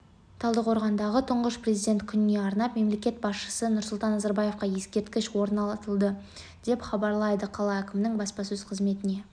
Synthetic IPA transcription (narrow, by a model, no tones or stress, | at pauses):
t̪ʰɑlˠd̪əqʰo̞ɾʁɑnd̪ɑʁət̪ʰʊɴʁəʃprʲezid̪ʲe̞nt̪kʲʰʏnɪne̞ɑɾnɑpme̞mle̞kʲe̞t̪̚bɑsʃə̥sənʊɾsʊlˠt̪ɑnːɑzɑɾbɑje̞fqɑje̞skʲe̞ɾt̪kʲɪʃwo̞ɾnɑlˠɑt̪əlˠd̪ə | d̪̥e̞pχɑbɑɾlˠɑjd̪əqʰɑlˠɑækʲɪmnɪŋbɑspɑsɵz̥qʰəzme̞t̪ɪne̞